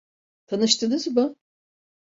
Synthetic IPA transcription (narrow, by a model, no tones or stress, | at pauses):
t̪ʰanɯʃt̪ɯnɯzmʊ